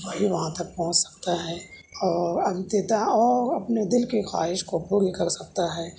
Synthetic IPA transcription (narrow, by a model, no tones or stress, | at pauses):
bɐɦiʋɐɦãt̪ɐk̚pɔ̃ɦʊ̃t͡ʃsɐ̥k̚t̪aɦɛː | ɔːɾɐmt̪ed̪aɔːɐpned̪ɪlkexa̰ːɦɪʃkopʊɽikɐɾsɐk̚t̪aɦɛː